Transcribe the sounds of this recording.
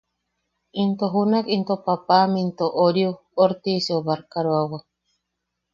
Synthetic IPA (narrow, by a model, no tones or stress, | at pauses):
int̪oɦunakint̪opapamint̪oʔoɾju | oɾt̪isioβaɾkaɾoawa